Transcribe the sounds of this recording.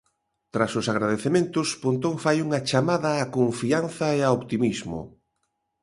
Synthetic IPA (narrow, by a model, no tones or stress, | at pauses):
t̪ɾasʊsaɣɾaðeθemẽnt̪ʊspont̪oŋfajuŋɐt͡ʃamaðɐːkoɱfian̟θɐeaopt̪imizmʊ̰